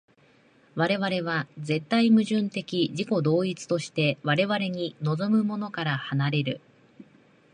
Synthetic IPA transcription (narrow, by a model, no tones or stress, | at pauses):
βaɾe̞βaɾe̞β̞aze̞t̪ːaimɯ̟ʑɨ̃nt̪e̞kʲiʑiko̞d̪o̞ːit͡sɨ̥t̪o̞ɕi̥t̪e̞βaɾe̞βaɾe̞ɲ̟ino̞zo̞mɯ̟mo̞no̞kaɾahanaɾe̞ɾɯ̟̰